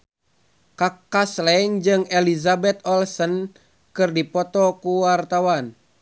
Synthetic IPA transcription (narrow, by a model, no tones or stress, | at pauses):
kakːaslɛŋd͡ʒɨŋɛlizabɛt̪̚ɔlsən | kɨrdipɔt̪ɔkuwart̪awan